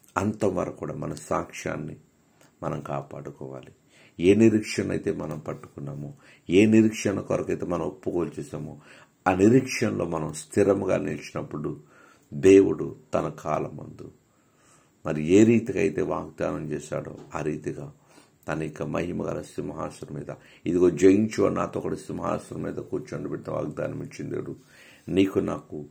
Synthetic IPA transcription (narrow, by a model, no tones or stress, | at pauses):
ɐnt̪ɐmʋɐ̰ɾɐkːuːɽa̰ːmɐnɐsaːkʂa̰ːnːi | mɐnɐmkaːpaːɽukɔːʋaːli | eːniɾikʂɐnɐɐ̰jt̪e̞ːmɐnɐmpɐʈːu̥kunːaːmoː | eːniɾikʂɐɳɐkɔɾɐkɐjt̪e̞ːmɐnɐmopːukoːlt͡ʃɛːsaːmoː | aːniɾikʂɐnlo̞ːmɐnɐmst̪ʰiɾɐmɡa̰ːnilt͡ʃinɐpːuɽu | d̪eːwuɽut̪ɐnɐkʰaːlɐmɐ̰nd̪u | mɐɾie̞ːɾiːt̪iɡɐjt̪e̞ːʋaːɡ̚d̪aːnɐmt͡ʃɛːʃa̰ːɽo̰ːaːɾiːt̪iɡaː | t̪ɐnɐikːɐmɐ̰ɦimɐɡɐ̰ɾɐsimɐɦa̰ːsɐɾɐmḭːd̪ɐ | id̪iɡo̞ːd͡ʒɐjiɲt͡ʃʋa̰naːt̪oːkːɐɽɐsimɐɦa̰ːsɐɾɐmiːd̪ɐkuːɾt͡ʃɐɳɖubɛʈːnɐʋa̰ːɡ̚d̪a̰ːnɐmit͡ʃːind̪ḛːɽu | niːkuna̰ːku